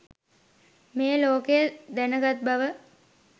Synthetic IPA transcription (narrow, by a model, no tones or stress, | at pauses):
mejəloːkejəd̪ænəɡat̪̚baʋə